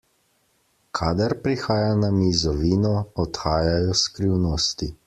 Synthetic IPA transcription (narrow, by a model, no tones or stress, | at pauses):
kʰaːd̪aɾpɾixaːjanamizɔʋiːnɔɔt̪xaːjajɔskɾiwnoːst̪i